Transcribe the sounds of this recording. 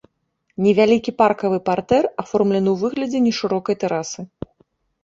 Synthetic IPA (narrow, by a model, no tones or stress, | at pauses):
nʲɛvʲalʲikʲiparkɐvɨpart̪ɛrafɔrmlʲɛnɨwvɨɣlʲɐd͡zʲɛnʲɛʂɨɾɔkɐjt̪ɛɾasɨ